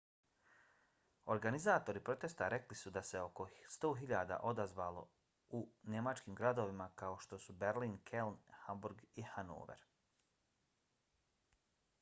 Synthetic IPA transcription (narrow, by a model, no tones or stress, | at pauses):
o̞ɾɡanizaːt̪o̞ɾipɾo̞t̪est̪aɾeklisud̪ase̞o̞ko̞st̪o̞ːɦiʎaːd̪a̰ʔo̞d̪azʋaːlo̞̰ | une̞mat͡ʃkiːmɡɾad̪o̞ʋimakao̞ʃt̪o̞subeɾliːnkʰelnhambuɾɡihano̰ːʋḛɾ